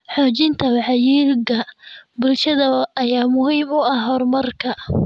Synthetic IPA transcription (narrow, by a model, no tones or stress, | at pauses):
ħɔːt͡ʃɪnt̪ʰɐwɑħɑjiːɾɡɐbʊlʃɐðɐʔɐjaːmʊɦiːmʊɐhɦɔrmɐrkʰɐ